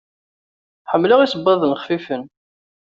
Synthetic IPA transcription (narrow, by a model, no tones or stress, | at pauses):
ħəmːləʁisəbːɑðˤənχfifən